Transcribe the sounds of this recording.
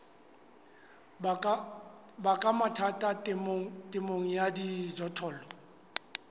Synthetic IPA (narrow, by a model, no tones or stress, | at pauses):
bakʼamatʰatʼatʼmŋ̩tʼɪmoŋ̩jadid͡ʒɔtʰɔːlɔ